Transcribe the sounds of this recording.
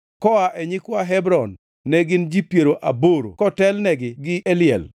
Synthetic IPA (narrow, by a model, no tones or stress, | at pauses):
kɔaʔɛɲɪkwaɦɛbɾɔnː | ɛɡɪnd͡ʒipjeɾoʔa̰boɾo̰kɔtɛlnɛɡɪɡɪɛlɪjɛ̰l